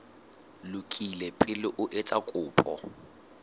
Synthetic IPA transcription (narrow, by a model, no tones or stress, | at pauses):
lʊkʼilɛpʼɪlɪʔʊʔet͡sʼakʼʊːpʼɔ̰